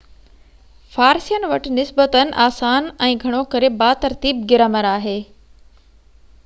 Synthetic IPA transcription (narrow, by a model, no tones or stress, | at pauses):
faːɾsijənɪ̆ʋɐʈɪ̆nɪsbət̪ənɪ̆ʔaːsaːnɛ̃ːɡʱɐɽ̃okɐɾebaːt̪ɐɾt̪iːb̚ɡɪɾəməɾaːɦeː